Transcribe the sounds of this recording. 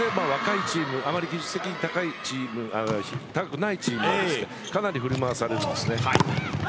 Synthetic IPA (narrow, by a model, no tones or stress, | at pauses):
emaːβakait͡ɕiːmɯ̟ʔamaɾʲikʲiʑɨ̥st̪e̞kʲiɲ̟it̪akait͡ɕiːmɯ̟açit̪akḁkɯ̟nait͡ɕiːmɯst̪ekanaɾʲiɸɯ̟ɾʲimaβasaɾeɾɯnd̪esɨne̞a